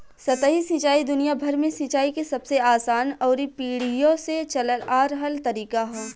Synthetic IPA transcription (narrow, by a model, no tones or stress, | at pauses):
sɐt̪əɦisɪ̃ːt͡ʃaːid̪ʊnijabʱɐɾmẽsɪ̃t͡ʃaːikesɐbseaːsaːnɔːɾipiːɽ̤ijõset͡ʃɐləlaːɾɦəlt̪ɐɾiːkaɦɛː